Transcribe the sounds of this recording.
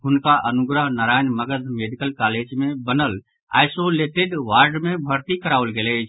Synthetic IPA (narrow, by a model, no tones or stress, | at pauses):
ɦunkaʔənuɡɾəɦnaɾajnməɡəd̪ʱmeɖikəlkaled͡ʒmebənəl | a̰jsoleʈeɖʋaɾɖmebʱəɾt̪ikəɾaʋlɡelət͡ʃʰ